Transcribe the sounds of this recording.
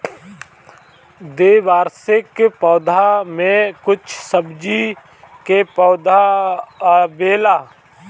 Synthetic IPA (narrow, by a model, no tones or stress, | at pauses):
d̪eːʋaːɾsɪkpɔːd̪ʱamẽkʊt͡ʃʰsəbd͡ʒi | kepɔːd̪ʱa | beːlaː